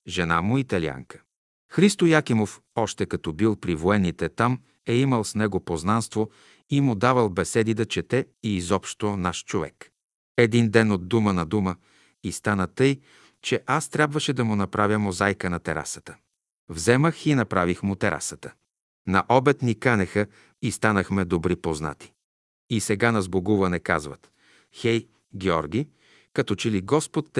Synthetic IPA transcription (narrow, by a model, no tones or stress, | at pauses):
ʒɛnamʊit̪ɐlia̰ŋkə̥ | xɾist̪ojakimof | ɔʃt̪ɛkɐt̪ɔbilˠpɾivoɛnit̪ɛt̪am | ɛiməlˠsnɛɡopoznanst̪vo | imʊd̪avəlˠbɛsɛd̪id̪ɐt͡ʃɛt̪ɛ | iːzɔpʃt̪onaʃt͡ʃovɛ̰k | ɛd̪ind̪ɛnod̪ːumənɐd̪umə | ist̪anət̪ɤj | t͡ʃɛʔast̪ɾʲabvəʃɛd̪ɐmʊnɐpɾavʲjəmozajkənɐt̪ɛɾʔa̰sə̥t̪ə̥ | vzɛməxinɐpɾavixmʊt̪ɛɾʔa̰sət̪ə | nɐ̰ʔɔbɛt̪nikanɛxə | ist̪anəxmɛd̪obɾipozna̰t̪i̥ | isɛɡanɐzboɡuvɐnɛkazvɐ̰t̪ | xɛj | ɡɛɔɾɡʲi | kɐt̪ɔt͡ʃɛliɡɔspot̪ː